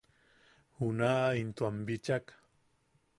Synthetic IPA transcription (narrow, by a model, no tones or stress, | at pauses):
hunaːint̪wambit͡ʃak